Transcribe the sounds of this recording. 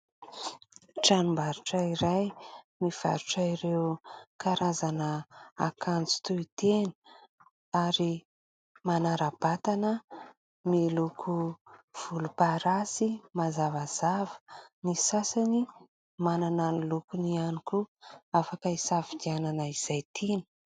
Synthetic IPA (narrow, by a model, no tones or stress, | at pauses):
ʈ͡ʂanumbaɾuʈ͡ʂəiɾaj | miv̥a̰ɾuʈ͡ʂaiɾewkʰaɾazanəakʰant͡si̥t̪uit̪enə̥ | aɾi | manaɾab̥at̪anə | milukʰuv̥ulupaɾasimazavaz̥avə̥nisasani | manananilukunianikuafakəisavid̪iananəiz̥ajt̪ʰinə̥